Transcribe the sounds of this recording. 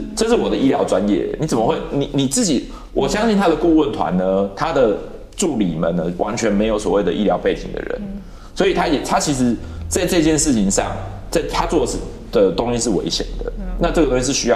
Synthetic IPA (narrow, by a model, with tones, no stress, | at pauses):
ʈ͡ʂɤ˥˧ʂ̬ɻ̩˥˩wɔ˨˩d̪ə˦ʔi˥ljɑ˧˥ʊʈ͡ʂwa˦njɛ̰˥˩ni˨˥t͡sə˨˩mə˦xwe˥˩ɪni˨˩ni˨˩t͡sɹ̩˥˩t͡ɕi˨˩ | wʔɔ˨˩ɕjɑ˥ŋɕi˥˩nt̪ʰa˥d̪ə˨ku˥˧wə˥˩nt̪ʰwa̰˧˦nnə˧t̪ʰa˥d̪ə˨ | ʈ͡ʂu˥˩lḭ˨˩mə̰˨˦nə˦wʔa̰˧˦nt͡ɕʰɥɛ˧˥nme˧˥ɪjo˧˩ʊswɔ˨˩we˥˩ɪd̪ə̰˩ʔi˥ljɑ˧˥ʊpe˥˩ɪt͡ɕi˨˩ŋd̪ə̰˩ɻə̰˧˦n | swɔ˧˥i˨˩t̪ʰa˦jɛ˨˩t̪ʰa˦t͡ɕʰi˧˥ʂɻ̩˧˥t͡sa˥˧ɪʈ͡ʂɤ˥˧t͡ɕjɛ˥˧nʂɻ̩˥˩t͡ɕʰi˧˥ŋʂɑ̰˥˨ŋ | t͡sa˥˩ɪt̪ʰa˦t͡swɔ˥˨ʂ̩˨˩ | d̪̥ə˨t̪o˥ŋɕi˧˥ʂ̬ɻ̩˥˩wḛ˧˦˥ɪɕjɛ̰˨˩nd̪ə̰˦na˥˧ʈ͡ʂɤ˥˩ɡə˩t̪o˥ŋɕi˧˥ʂɻ̩˥˩ɕy˥jɑ˥˧